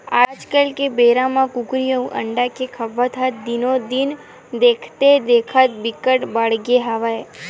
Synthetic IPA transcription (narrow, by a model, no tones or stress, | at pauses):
ad͡ʒkəlkebeɾamãkuɡɾiəũʔə̰ɳɖakekʰəʋːat̪ʰad̪inod̪in | d̪ekʰt̪ed̪ekʰat̪̚bikəʈbaɭɡeɦaʋae